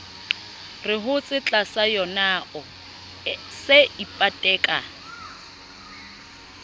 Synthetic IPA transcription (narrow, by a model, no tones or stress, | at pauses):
rɪɦʊt͡sʼɪt͡ɬʼasajɔnaʔɔ | seipʼatʼɛːkʼa